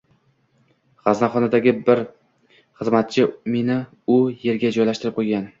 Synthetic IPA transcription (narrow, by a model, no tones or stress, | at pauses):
ʁ̥aznaχɒnad̪aɡʲɪbɪɾ | χɨzmat̪̚t͡ʃʰɪme̞nɪ | ʊje̞ɾɡʲad͡ʒɒjlaʃt̪ɪɾɪp̚qʰojɡʲan